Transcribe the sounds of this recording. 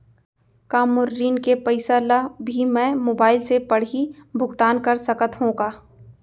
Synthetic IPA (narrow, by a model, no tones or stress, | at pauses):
kaːmʊɾːiːnkepɐɪsalabʱimɛ̃moːbaːɪlsepɐɽ̤ibʱʊɡt̪aːnkɐɾsɐkət̪ɦõːɡaː